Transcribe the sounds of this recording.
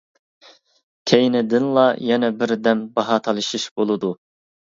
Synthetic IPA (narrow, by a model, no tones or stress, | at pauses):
kʲʰejnɪd̪ɪnlˠɑjɛnɛbɪɾd̪ɛmbɑɦɑt̪ʰɑlˠɨʃiʃbolˠɨd̪u